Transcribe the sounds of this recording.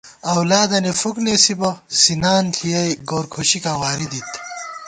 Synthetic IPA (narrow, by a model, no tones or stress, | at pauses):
ɐwlaːd̪ɐnefuknesibɐsinaːnt̪ʰijɐjɡoːɾkʰoɕikãːwaːɾid̪it̪ʰ